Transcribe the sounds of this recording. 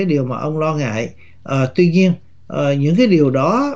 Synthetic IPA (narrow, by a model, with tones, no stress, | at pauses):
aː˨˦jɗi˨˩əwmaː˨˩ʔə˧wŋ͡mlɔ˧ŋa̰ː˧˨j | ʔəː˨˩t̪wi˧ɲi˧ən | ʔəː˨˩ɲɨ̰˧˥ŋkaː˨˦jɗi˨˩əwɗɔ˨˦